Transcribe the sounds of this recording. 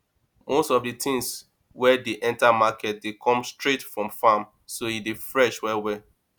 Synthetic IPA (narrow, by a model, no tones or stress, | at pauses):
mostɔvditʰĩŋs | wɛdeʔɛ̃ntamakɛt̚dekʰɔ̃mstɹetfɹɔ̃mfam | soidefɹɛʃwɛwɛ